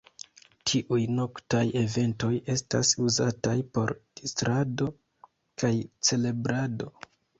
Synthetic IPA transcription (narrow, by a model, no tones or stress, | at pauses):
tʰiʔujno̞ktaje̞ve̞nto̞je̞sta̰suzatajpo̞ɾd̥istɾado̞ | kajt͡se̞le̞bɾado̞